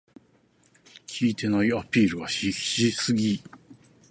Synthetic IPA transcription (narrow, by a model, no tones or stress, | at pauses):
kʲʰiːt̪e̞naiapʲiːɾɯ̟βaɕiɕisɨɡʲi